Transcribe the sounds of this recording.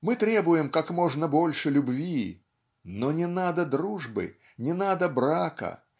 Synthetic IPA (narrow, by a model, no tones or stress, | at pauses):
mɨt̪ɾʲe̞bʊjɪmkakmo̞ʐnəbo̞lʲʂɨlʲʊbvʲi | nonʲɪnad̪əd̪ɾuʐbɨ̰ | nʲɪnad̪əbɾakə̰